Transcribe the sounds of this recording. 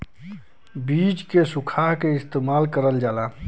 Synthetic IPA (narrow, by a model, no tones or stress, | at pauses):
bid͡ʒkesukʰaɦkeɪst̪eːmaːlkəɾəld͡ʒaːla